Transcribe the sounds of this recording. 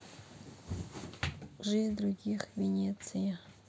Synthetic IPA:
ʐɨd̪ɾuɡʲixvʲenʲet̪sɨjə

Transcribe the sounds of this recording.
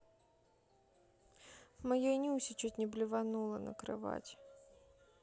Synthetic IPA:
mɐjonʲiusʲɪt͡ɕutʲnʲɪblʲɪvɐnulˠənə̰kɾɨ̰va̰tʲ

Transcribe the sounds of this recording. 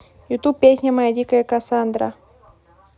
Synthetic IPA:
jut̪up̚pːʲesʲnʲəmajadʲikəjəkasand̪ɾa̰

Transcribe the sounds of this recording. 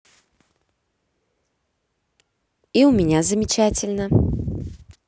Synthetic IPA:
iʊmʲɪnʲazəmʲɪt͡ɕætʲɪlʲnə

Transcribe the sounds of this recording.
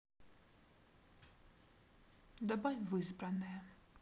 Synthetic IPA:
d̪ɐbajʲvɨzbɾɐnɨjɐ

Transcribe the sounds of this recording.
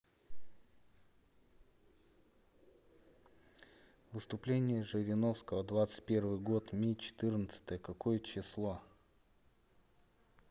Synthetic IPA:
vɨst̪ʊplʲenʲɪjəʐɨɾʲɪno̞fskəvəd̪vat̪sɨ̥t̚ʲpʲe̞rvɨjɡo̞t̪mʲit͡ɕɪ̥t̪ɨrnət̪sə̥t̪əjəkɐko̞jət͡ɕɪslˠo̞

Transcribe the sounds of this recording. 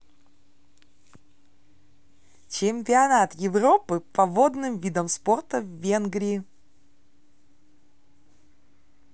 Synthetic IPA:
t͡ɕɪmʲpʲɪɐnat̪jɪvropɨpɐvod̪nɨmvʲid̪əmsport̪əvːʲe̞nɡɾʲɪː

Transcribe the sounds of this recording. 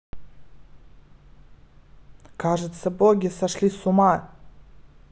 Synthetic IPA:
kaʐɨt̪sɐboɡʲɪsaʂlʲisuma

